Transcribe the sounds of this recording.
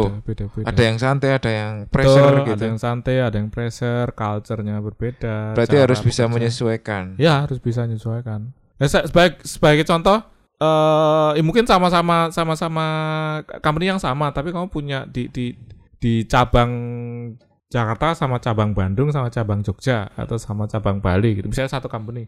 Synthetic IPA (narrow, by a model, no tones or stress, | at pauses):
ped̥apedadajaŋsant̪eadajaŋpɾɛsərɡiad̪jaŋsant̪ɛadajaŋpɾɛsərkalt͡ʃərɲabərb̥ed̥aɾaiɦaɾʊsbisaməɲəsuakanjaɦaɾʊsb̥is̬aɲəsuakan | asasəbaɪk̚səb̥aɪkt͡ʃɔnt̪ɔh | ʔəːmuŋkɪnsamasamasamasama | kampənijaŋsamat̪apikamupuɲaʔd̥id̥i | d̥it͡ʃabaŋ | d͡ʒakart̪asamat͡ʃabaŋbandʊŋsamat͡ʃabaŋd͡ʒok̚d͡ʒaa̰t̪awsamat͡ʃabaŋb̥aliɡit̪umisalɲasat̪ukampəni